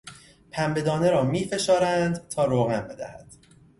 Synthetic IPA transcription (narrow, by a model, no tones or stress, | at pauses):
pʰæmbe̞d̪ɒːne̞ɾɒːmiːfe̞ʃɒːɾænd̪t̪ʰɒːɾoːɣænbe̞d̪æ̰hæd̪̥